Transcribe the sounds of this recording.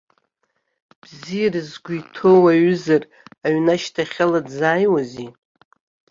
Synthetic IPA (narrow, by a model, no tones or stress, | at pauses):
b̥zijarɨzɡʷuitʰo̞waɥzar | aɥnaʃtʰaχʲaladzaːjwazi